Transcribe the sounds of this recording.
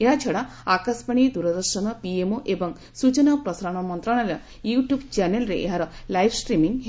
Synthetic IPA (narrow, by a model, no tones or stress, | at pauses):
eɦat͡ʃʰɔɽa | akaspaɽ̃id̪uɾɔd̪ɔɾʃɔnɔpiemoʔebɔŋ | sut͡ʃɔnɔpɾɔsɾaɽ̃ɔmɔnt̪ɾaɽ̃ɭ̃alɔ | juʈjubt͡ʃanelɾḛʔḛɦaɾɔlajbʰsʈɾimiŋɦ